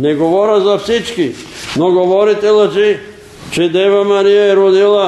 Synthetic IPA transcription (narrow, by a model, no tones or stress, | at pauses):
neɡoʋoɾazafsit͡ʃkinoɡoʋoɾit̪elat͡ʃi | t͡ʃid̪eʋamanijeɾud̪ila